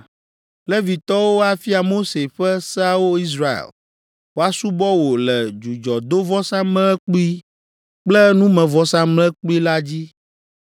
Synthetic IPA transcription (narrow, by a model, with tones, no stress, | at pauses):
lɛ˦vi˨t̪ɔ˦wo˦a˦fi˦a˨mo˦se˨ɸɛ˦sɛ˦a˦wo˦i˦s̬ɾa˦˨ḛ˨l | wo˦a˦su˦bɔ˦wo˨lɛ˨d͡ʒu˨d͡ʒɔ˨d̪o˦vɔ˦sã˦mɛ̃˦ɛ˦k͡pu˦i˦ | k͡plɛ˦nũ˦mɛ̃˨vɔ˦sã˦mlɛ˦k͡pu˦i˦la˦d͡ʑi˦